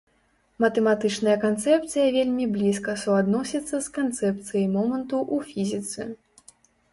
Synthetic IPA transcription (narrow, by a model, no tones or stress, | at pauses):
mɐt̪ɛmat̪ɨt͡ʂnɐjɐkant̪sɛp̚t̪sɨjɐvʲelʲmʲiblʲiskɐsuad̪nɔsʲit̪sːɐskant̪sɛp̚t̪sɨjɐjmɔmɐnt̪uʔufʲizʲit̪sɨ̰